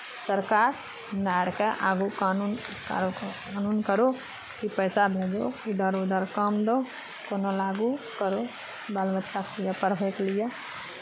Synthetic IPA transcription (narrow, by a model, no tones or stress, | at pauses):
səɾkaːɾ | naɽkeʔaːɡukanunk | anuːnkəɾo | kipəjsabʱed͡ʒo̰kid̪əɾod̪əɾkəmd̪o | konolaɡukəɾo | balbətːʃakʰijəpəɾbʱeklija